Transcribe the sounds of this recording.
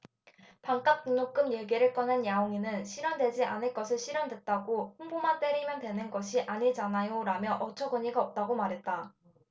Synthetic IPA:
paŋk͈ap̚k͈uŋnok͈ɯmjeɡeɾɯɭk͈ʌnɯnjaoŋinɯnɕʰiɾjʌndwe̞d͡ʑiʔanɯɭk͈ʌsʰɯɭɕʰiɾjʌndwe̞t̚t͈aɡoɸoŋbomant͈e̞ɾimjʌndwe̞nɯnɡʌɕʰiʔaɲid͡ʑanajoɾamjʌʔʌt͡ɕʰʌɡɯɲiɡaʌp̚t͈aɡomaɾɦe̞t̚t͈a

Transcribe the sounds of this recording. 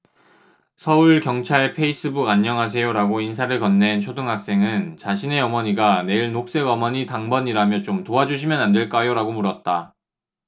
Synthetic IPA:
sʰʌuɭkjʌŋt͡ɕʰaɭpʰe̞is͈ɯbuɡaɲːʌŋɦas̬ʰe̞joɾaɡoinsʰaɾɯɭkʌnːe̞nt͡ɕʰodɯŋɦak̚s͈e̞ŋɯnt͡ɕaɕʰine̞ʌmʌɲiɡane̞iɭnok̚s͈e̞ɡʌmʌɲitaŋbʌɲiɾamjʌt͡ɕomtoad͡ʑuɕ̬ʰimjʌnande̞ɭk͈ajoɾaɡomuɾʌt̚t͈a

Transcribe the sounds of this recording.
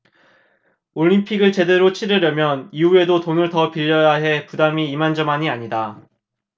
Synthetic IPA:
oʎːimpʰiɡɯɭt͡ɕe̞de̞ɾot͡ɕʰiɾɯɾjʌmjʌniue̞dotonɯɭtʌpiʎːʌjaɦe̞pudamiːmand͡ʑʌmaɲiaɲida

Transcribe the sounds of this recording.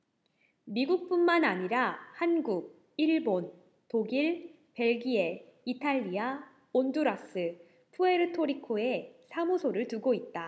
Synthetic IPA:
miɡuk̚p͈unmanaɲiɾahanɡuɡ̚ | iɭbon | toɡiɭ | pe̞ɭɡie̞itʰaʎːia | onduɾas͈ɯ | pʰue̞ɾɯtʰoɾikʰoe̞sʰamusʰoɾɯɭtuɡoit̚t͈a

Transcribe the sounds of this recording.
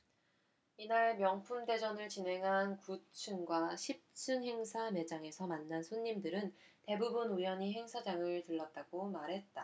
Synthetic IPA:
inaɭmjʌŋpʰumde̞d͡ʑʌnɯɭt͡ɕinɦe̞ŋɦankut͡ɕʰɯŋɡwaɕʰip̚t͡ɕʰɯŋɦe̞ŋsʰame̞d͡ʑaŋe̞sʰʌmanːansʰoɲːimdɯɾɯnte̞bubunujʌɲiɦe̞ŋsʰad͡ʑaŋɯɭtɯɭːat̚t͈aɡomaɾɦe̞t̚t͈a

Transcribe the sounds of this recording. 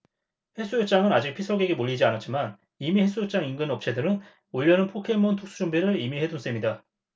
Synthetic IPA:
he̞s͈ʰujop̚t͡ɕ͈aŋɯnad͡ʑik̚pʰisʰʌɡeɡemoʎːid͡ʑianat̚t͡ɕ͈iman | imihes͈ujop̚t͡ɕ͈aŋinɡɯnʌp̚t͡ɕʰe̞dɯɾɯn | oʎːʌnɯnpʰokʰe̞mʌntʰuk̚s͈ʰud͡ʑumbiɾɯɾimihe̞duns͈emɲida

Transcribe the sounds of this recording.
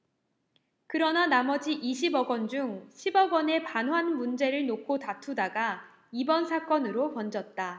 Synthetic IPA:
kɯɾʌnanamʌd͡ʑiʔiɕʰibʌɡʌnd͡ʑuŋɕʰibʌɡʌne̞panɦwanmund͡ʑe̞ɾɯɭnokʰotatʰudaɡa | ibʌnsʰak͈ʌnɯɾopʌnd͡ʑʌt̚t͈a

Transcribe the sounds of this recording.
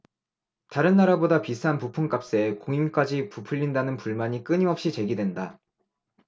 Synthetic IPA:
taɾɯnːaɾabodapisʰanpupʰuŋk͈ap̚s͈e̞koŋimk͈ad͡ʑipupʰɯʎːindanɯnpuɭmaɲik͈ɯɲimʌp̚ɕ͈it͡ɕe̞ɡidwe̞nda

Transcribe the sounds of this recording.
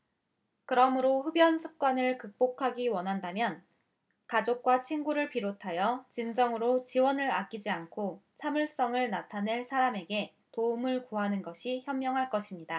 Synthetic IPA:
kɯɾʌmɯɾoɸɯbjʌnsʰɯ̥k̚k͈wanɯɭkɯk̚p͈okʰaɡiwʌnɦandamjʌn | kad͡ʑok̚k͈wat͡ɕʰinɡuɾɯɭpiɾotʰajʌt͡ɕind͡ʑʌŋɯɾot͡ɕiwʌnɯɾak͈̚id͡ʑiankʰot͡ɕʰamɯɭs͈ʌŋɯɭnatʰane̞ɭsʰaɾame̞ɡe̞ | toɯmɯɭkuɦanɯnɡʌɕʰiçjʌmːjʌŋɦaɭk͈ʌɕʰimɲida

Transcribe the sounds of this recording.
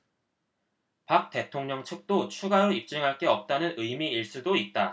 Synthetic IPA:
pak̚t͈e̞tʰoŋɲʌŋt͡ɕʰɯk̚t͈ot͡ɕʰuɡaɾoip̚t͡ɕ͈ɯŋɦaɭk͈e̞ʌp̚t͈anɯnɯjmiiɭs͈udoit̚t͈a

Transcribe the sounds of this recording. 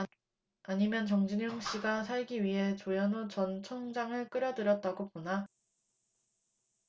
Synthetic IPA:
aɲimjʌnt͡ɕʌŋd͡ʑinjoŋɕ͈iɡasʰaɭɡiɥiɦe̞t͡ɕojʌnot͡ɕʌnt͡ɕʰʌŋd͡ʑaŋɯɭk͈ɯɾjʌdɯɾjʌt̚t͈aɡopona

